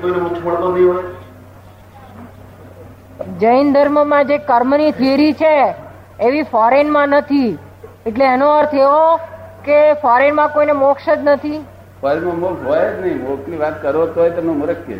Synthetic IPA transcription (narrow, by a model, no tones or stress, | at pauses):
koineukt͡ʃʰməɽt̪õd̪iɦoj | d͡ʒəind̪ʱəɾməmãd͡ʒekəɾmnit̪ʰeɾit͡ʃʰeː | ʋifɔɾenmãnət̪ʰi | eʈleenoəɾt̪ʰeʋokefɔɾenmãkoinemokʃəd͡ʒnət̪ʰi | fɔɾenmãmokɦojed͡ʒnəɦĩmokniʋat̪kəɾot̪oɦojt̪omõmuɾəkʰːjḛ